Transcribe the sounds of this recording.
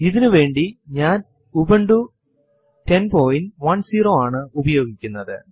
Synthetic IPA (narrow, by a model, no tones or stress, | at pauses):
iðinuʋe̞ːɳɖiɲaːn | ubɐɳɖu | tenpoːjinʋɐnsiːroːaːɳɨubɐjo̞ːɡikʲːunːɐðɨ